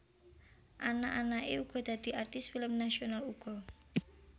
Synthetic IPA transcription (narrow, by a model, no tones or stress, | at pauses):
ʔanaʔanaʔeuɡ̥ɔ̤d̪̥ä̤d̪̥i̤art̪ɪsfiləmnaʃionaluɡ̥ɔ̤